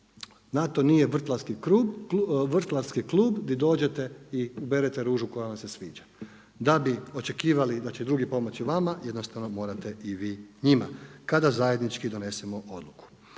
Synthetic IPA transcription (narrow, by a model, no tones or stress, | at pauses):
nat̪o̞nije̞ʋr̩t̪lˠaɾskikɾubʋr̩t̪laɾskiklˠuːbd̪id̪o̞ːd͡ʒe̞t̪e̞iubeɾet̪e̞ɾuːʒuko̞jaʋamse̞sʋiːd͡ʒa | d̪abio̞t͡ʃe̞kiːʋalid̪at͡ɕed̪ɾuɡipo̞mo̞t͡ɕiʋamajed̪no̞st̪aʋno̞mo̞ːɾat̪e̞iʋiːɲima̰kad̪azajed̪nit͡ʃkid̪o̞ne̞semo̞ʔo̞d̪luku̥